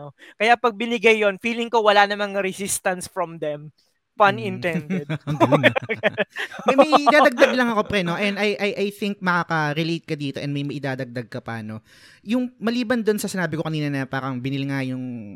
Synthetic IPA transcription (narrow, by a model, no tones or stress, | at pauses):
okɐjapɐɡ̚bɪnɪɡajːonfiːlɪŋkowɐlanɐmaŋɾɛsist̪ɐnsfɹɔmd̪ɛm | pɐnɪ̃nt̪ɛndɛd̪ɡu | mjɐjɪd̪aːd̪ɐɡ̚d̪ɐɡlɐŋɐko̞pɾɛnoʔɛnd̪ɐjʔɐjʔajθɪŋk̚mɐkaːkɐɾɛlejt̪̚kɐd̪iːt̪oʔɛnmɐjmɐʔɪd̪aːd̪ɐɡ̚d̪ɐɡ̚kɐpa̰ːno̞ | jʊŋmɐliːbɐnd̪onsɐsɪnaːbɪko̞kɐniːnɐnɐbaːɾɐŋbɪnɪlŋajʊŋ